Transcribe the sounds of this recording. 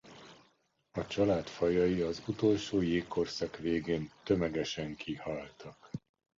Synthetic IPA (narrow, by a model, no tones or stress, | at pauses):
ɒt͡ʃɒlaːt̪fɒjɒjiɒzut̪o̞lʃoːjeːkːo̞rsɑkʋeːɡeːnt̪ø̞mɛɡɛʃɛŋkʰihɒlt̪ɒk